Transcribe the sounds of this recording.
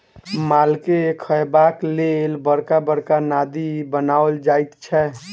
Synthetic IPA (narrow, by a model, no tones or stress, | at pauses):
malkekʰəebaklelbəɾkabəɾkanad̪ibənaold͡ʒajt̪t͡ʃʰɛ